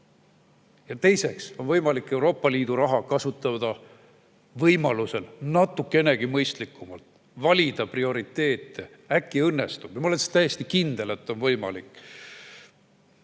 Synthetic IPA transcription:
jɑt̪e̞jse̞kso̞nvɤjmɑlikːˑe̞wɾo̞ːpːˑɑliːd̪̥uɾɑɦɑkɑsut̪ːˑɑd̪̥ɑ | vɤjmɑluse̞lnɑt̪ːˑukːˑene̞ɡ̥imɤjst̪likːˑumɑlt̪ | vɑlʲid̪̥ɑprio̞ɾit̪ˑːe̞ːt̪ːˑe | ækːiɤnːe̞st̪ub̥jɑmɑolense̥t̪æjːest̪ikind̪̥e̞le̞t̪ːˑo̞nvɤjmɑ̰likːˑ

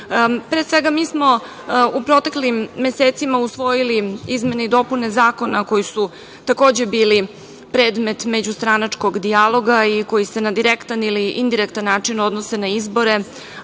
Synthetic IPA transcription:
pɾesʋe̞ɡamiːsmo̞ | upɾo̞t̪eklimːe̞set̪simausʋo̞jiliizme̞neid̪o̞pune̞zaːko̞nako̞jisu | t̪ako̞ːd͡ʑe̞biːli | pɾeːd̪me̞t̪me̞d͡ʑust̪ɾanat͡ʂko̞ɡd̪ialˠo̞ɡaiko̞jise̞nad̪iɾekt̪aniliʔind̪iɾekt̪anːaːt͡ʂinod̪nose̞naizbo̞ɾe̞

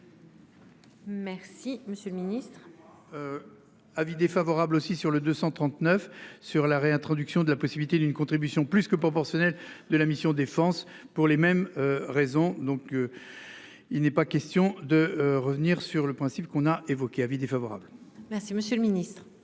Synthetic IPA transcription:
mɛʁsiməsjølminist̪χ | ø | avid̪efavɔʁablosisyʁləd̪øsɑ̃t̪χɑ̃t̪nœfsyʁlaʁeɛ̃t̪χɔd̪yksjɔ̃d̪əlapɔsibilit̪ed̪ynkɔ̃t̪χibysjɔ̃plyskəpχɔpɔʁsjɔnɛld̪əlamisjɔ̃d̪efɑ̃s | puʁlemɛmøʁezɔ̃d̪ɔ̃k | ilnɛpakʲɛst̪jɔ̃d̪əʁəvəniʁsyʁləpχɛ̃sipkɔ̃naevɔkʲeavid̪efavɔʁa̰blmɛʁsiməsjølminist̪χ

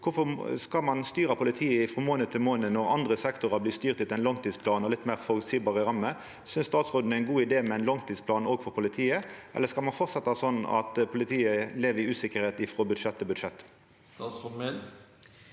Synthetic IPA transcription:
kʰʊfɔskɑmɑnst̪yːɾɑpʰʊlɪt̪ʰiːəɪfɾɔːmoːnət̪ʰɪlmoːnənɔʁɑ̰nd̪ʁəsɛkt̪ʊʁɑbliːst̪yːʁt̪ɪt̪ɛnlɑŋt̪ʰiːspʰlɑːnɔlɪt̪ːmæːʁfɔsiːbɑːʁəɾɑmːə | sʏnst̪ɑːt̪sʁoːd̪n̩əæɪnɡuːɪd̪eːmɛɛɪnlɑŋt̪ʰiːt̪spʰlɑːnoːɡfɔɾpʰʊlɪt̪ʰiːəʔɛ̰lːəskɑlmɑnfɔɾt̪sɛt̪ːəhɑsɔnːɑ̰t̪pʰʊlɪt̪ʰiːəleːʋəɾɪʉːsɪkəɾheːt̪ɪfʁɔbʉd̪ʂɛt̪ʰːɪbʉd̪ʂɛt̪ː | sɔme

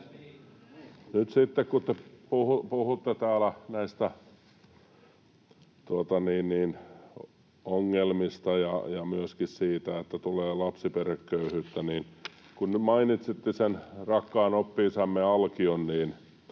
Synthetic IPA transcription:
nyt̪sit̪ːekkut̪ːepuhupuhut̪ːet̪æːlænæist̪æ | t̪uot̪ɑniːnniːn | oŋːelmist̪ɑjɑ̰jɑmyøskissiːt̪æet̪ːæt̪uleːlɑpsiperekːøyhyːt̪ːæniːn | kunnymɑinit̪sit̪ːisenrɑkːɑːnopːiːsɑmːeɑlkionniːn

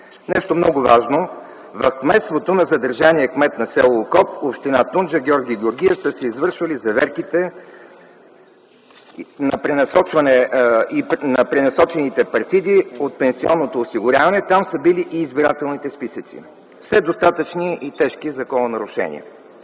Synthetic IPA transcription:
nɛʃt̪omnɔɡʊvaʒno | vɐfkmɛt̪st̪vot̪onɐzɐd̪əɾʒaniɛkmɛt̪nɐsɛlˠokɔp̚opʃt̪inat̪und͡ʒəɡʲɔɾɡʲiːɡʲɪoɾɡʲiɛfsəsɛizvɤɾʃvɐlizɐvɛɾkit̪ɛ | nɐpɾɛnɐsɔt͡ʃvɐnɛinɐpɾɛnɐsɔt͡ʃɛnit̪ɛpɐɾt̪id̪iot̪̚pɛnsiɔnːot̪oːsiɡʊɾʲavɐnɛt̪amsəbiliʔiːzbiɾat̪ɛlˠnit̪ɛspisət̪sḭ | fsɛd̪ost̪at̪ət͡ʃniit̪ɛʃkizɐkɔnɐnɐɾʊʃɛ̰nḭɛ̰

